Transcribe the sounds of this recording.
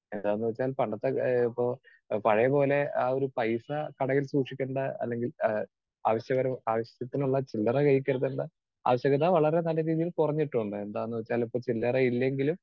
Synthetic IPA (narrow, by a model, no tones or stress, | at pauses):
e̞nd̪aːenːuʋɐt͡ɕːaːlpɐɳɖɐt̪ːeipːo̞ː | pɐɻɐjɐpo̞ːle̞aːo̞ɾupɐjsɐkɐɽɐjilsuːʂikʲːeɳɖɨɐ̰lːe̞ŋɡil | aːʋɐɕjɐɣɐɾɐmaːʋɐɕɐjɐt̪ːinuɭːɐt͡ɕilːɐrɐkɐjikʲːɐɾɐðuɳɖɨ | a̰ːʋɐɕjɐɣɐt̪ʰːaːʋɐɭɐɾe̞nɐlːɐɾiːðijilkurɐɲːiʈːuɳɖɨe̞nd̪aːenːuʋɐt͡ɕːaːlipːo̞ːt͡ɕilːɐrɐilːe̞ŋɡilum